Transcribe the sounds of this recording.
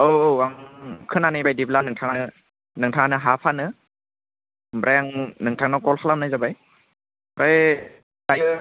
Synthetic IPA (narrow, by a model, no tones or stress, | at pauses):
owowaŋkʰɯnanɯjbajdiblanɯŋtʰaŋanɯ | nɯŋtʰaŋanɯɦapʰanɯ | bɾʔajaŋnɯŋtʰaŋnakɔlhʰalamnajzabaj | ɾʔaj | dajɯ